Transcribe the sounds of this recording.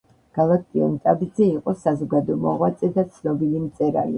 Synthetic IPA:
ɡ̥alak̚t̪ʼiɔ̰nt̪ʼabid̪zɛiqʼɔsazɔɡad̪ɔmɔʁwat̪sʼɛd̪at̪sʰnɔbilimt̪sʼɛɾa̰lḭ

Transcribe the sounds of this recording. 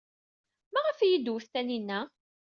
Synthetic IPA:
mæʁəfjid̪wəθθæninːæ

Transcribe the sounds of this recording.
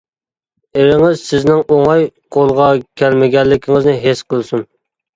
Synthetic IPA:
eɾɪŋɪzsɪznɪŋʔoŋɑjqʰolˠʁɑkʲʰælmɪɡʲɛlːɪkʲʰiŋɪznɪɦesqʰəlˠɨsun

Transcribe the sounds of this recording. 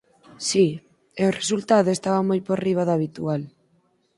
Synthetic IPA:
si | eoresult̪aðoest̪aβamojpoɾriβ̞aðaβit̪ual

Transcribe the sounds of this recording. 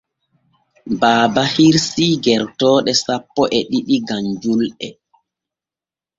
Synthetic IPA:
baːbahiɾsiɡɛɾtɔːɗɛsapːɔʔɛɗiɗiɡaɲd͡ʒulɛ

